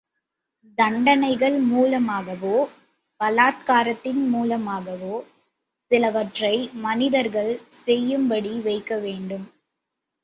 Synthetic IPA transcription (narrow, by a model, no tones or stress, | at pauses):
d̪ɐɳɖɐnɐɪɣɐɭmuːlɐmaːɣɐʋoː | bɐlaːt̪̚kaːɾɐt̪ːɪnmuːlɐmaːɣɐʋoː | sɪlɐʋɐʈrɐɪmɐnɪðɐɾɣɐɭsɛjːɯmbɐɽiʋɐɪkːɐʋeːɳɖɯm